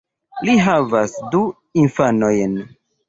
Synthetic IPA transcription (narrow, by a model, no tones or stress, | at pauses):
liɦavasdu | infano̞jn